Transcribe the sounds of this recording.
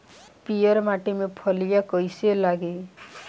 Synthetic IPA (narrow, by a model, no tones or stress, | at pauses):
pijʌɾmaʈimepʰɔlijakɔjselaɡe